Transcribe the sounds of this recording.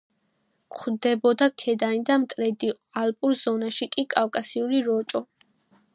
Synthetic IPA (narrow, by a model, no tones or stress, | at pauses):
kʰd̪ɛbɔd̪akʰɛd̪anid̪amt̪ʼɾɛd̪i | alpʼuɾz̥ɔnaʃikʼikʼawkʼasiuɾiɾɔt͡ʃʼɔ